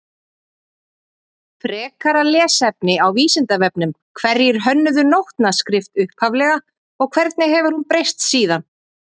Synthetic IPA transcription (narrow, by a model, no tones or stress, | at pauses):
pʰɾɛːkaɾalɛːsɛpnɪawviːsɪnt̪avɛpnʏm | kʰvɛɾjɪɾ̥ɦœnːʏðʏnowht̪naskɾɪft̪ʏhphavlɛɣa | ɔɣkʰvɛɾt̪nɪɦɛvʏɾhunpɾejst̪siːðan